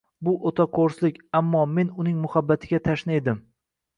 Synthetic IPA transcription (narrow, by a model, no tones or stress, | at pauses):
bʊʔot̪ʰaqʰoɾslɪkʲamːɒme̞nʊnɪŋmʊhabːat̪ʰɪɡʲat̪ʰaʃnaed̪ɪm